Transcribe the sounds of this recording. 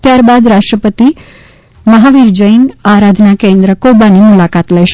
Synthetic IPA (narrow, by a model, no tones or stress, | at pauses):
t̪jaɾbad̪ɾaʂʈɾəpət̪i | məɦaʋiɾd͡ʒəjnaɾad̪ʱnakẽnd̪ɾəkobanimulakat̪ləjʃ